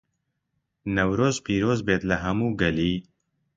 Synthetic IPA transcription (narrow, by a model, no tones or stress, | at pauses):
nɐwɾoːzpiːɾoːzbeːt̪lɐɦɐmuːɡɐliː